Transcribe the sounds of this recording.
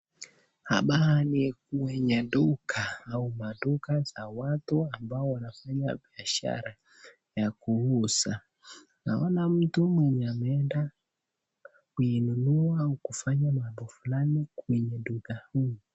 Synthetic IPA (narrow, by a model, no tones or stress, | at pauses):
ha̰ɓaanikuwɛɲaɗukʰaːumaɗukazawatuambaɔwanafaɲa̰biaʃa̰ɾa | jakuusa | naɔnam̩tumwɛɲamɛnda | kuinunuaukufaɲamambɔfulanikwɛɲɛɗukahii